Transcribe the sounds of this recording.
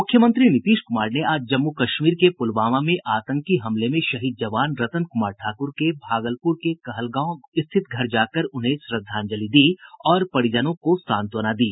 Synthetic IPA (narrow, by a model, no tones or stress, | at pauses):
mʊkʰːjəmə̃nt̪ɾinɪt̪iːʃkʊmaːɾneaːd͡ʒd͡ʒɐmːukɐʃmiːɾkepʊlʋaːmamẽʔaːt̪ə̃ŋkiɦɐmlemẽʃɐɦiːd̪̚d͡ʒɐʋaːnɾɐt̪ənkʊmaːɾʈʰaːkʊɾkebʱaːɡəlpʊɾkekɐɦəlɡãːõɪst̪ʰɪt̪̚ɡʱɐɾd͡ʒaːkəɾʊnɦẽsɾəd̪ʱːaːnd͡ʒɐlid̪iːɔːɾpɐɽɪd͡ʒənõkosãːnt̪ʋɐnad̪iː